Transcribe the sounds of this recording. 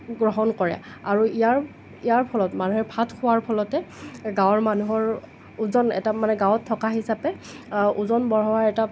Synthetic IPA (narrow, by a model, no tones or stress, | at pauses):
ɡɹɔɦɔnkɔɹɛ̰ | aɹuijaɹ | ijaɹpʰɔlɔtmanuɦɛɹpʰatʰxʰʊwaɹpʰɔlɔtɛɡãwɔɹmanuɦɔɹ | uzɔnɛ̰tamanɛɡãwɔtʰːɔkaɦisapɛ | ʔuzɔnbɔɹɦɔwaɹɛta